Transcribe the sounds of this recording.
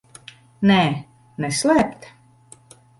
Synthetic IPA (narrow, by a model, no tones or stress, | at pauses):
nɛː | nɛslæːpt̪